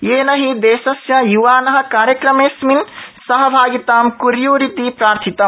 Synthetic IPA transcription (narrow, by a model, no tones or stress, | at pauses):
jeːnɐɦid̪eːsɐsjɐjuʋaːnɐɦɐ̆kaːɾjəkɾɐmeːsminsɐɦɐbʱaːɡit̪aːmkuɾjuɾit̪ipɾaːɾt̪ʰit̪ɐm